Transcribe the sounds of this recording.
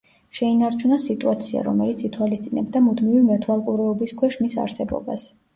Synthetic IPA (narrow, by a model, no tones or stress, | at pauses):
ʃɛinaɾt͡ʃʰunasit̪ʼuat̪sʰia̰ɾɔmɛlit̪sʰit̪ʰwalist̪sʼinɛbd̪amud̪mivimɛt̪ʰwalˠkʼuɾɛɔbiskʰwɛʃmisa̰ɾsɛbɔ̰ba̰s